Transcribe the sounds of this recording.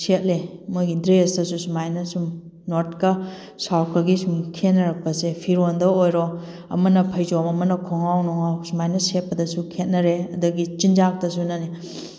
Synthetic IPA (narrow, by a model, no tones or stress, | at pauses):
set̚lemojɡidɾesdɐsusumajnɐsum | notkɐ | sawkɐɡisumkʰet̚nɐɾɐk̚pɐsepʰiɾondɐojɾo | ɐ̰mɐnɐpʰɐjd͡ʒomɐmɐnɐkʰoŋawnɔŋawsumajnɐset̚pɐdɐsukʰet̚nɐɾeɐduɡit͡ʃind͡ʒak̚tɐsunɐni